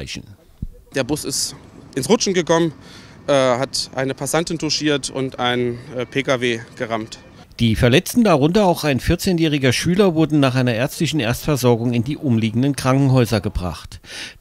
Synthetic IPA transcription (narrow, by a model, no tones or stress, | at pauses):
ɪçn̩ | d̥eːɐbʊsɪstʔɪnsʁʊt͡ʃn̩ɡəkʰɔmənʔɛhatʔa̰ɪnəpʰasantɪntʰʊʃiːɐtʰʊ̰ntʔaɪnːpʰeːkaveːɡ̥əʁamt | d̥iːfɛɐlɛt͡stn̩daʁʊntɐaʊxaɪnfɪɐt͡seːnjɛːʁɪɡɐʃyːlɐvʊɐdn̩naːχʔaɪnɐʔeːɐt͡sstlɪçn̩ʔeɐt͡stfɛɐzɔɐɡʊŋɪndiːʔʊmliːɡŋ̩dənkʁ̥aŋkŋ̩ɦɔʏzɐɡəbʁa̰χt